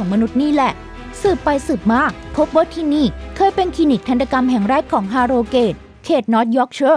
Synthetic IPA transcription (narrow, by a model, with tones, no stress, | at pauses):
ɔː˩˦ŋma˧nu˦˥t̪̚niː˥˩lɛ˨˩ | sɯː˨˩pːa˧jsɯː˨˩p̚maː˥˩k̚pʰo˦˥p̚waː˥˩t̪ʰiː˥˩niː˥˩kʰɤː˧jpe˧nkʰiː˧ni˨˩k̚t̪ʰa˧nt̪a˧ka˧mɦɛ˨˩ŋɾɛː˥˩kʰːɔː˩˦ŋɦaː˧ɾoː˧keː˨˩t̪̚ | kʰeː˨˩t̪̚nɔː˦˥t̪̚jɔː˦˥k̚t͡ɕʰɤː˥˩